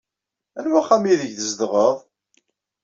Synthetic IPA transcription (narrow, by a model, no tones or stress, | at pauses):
ænwæχæmiðəʝθəzd̪ʁəðˤ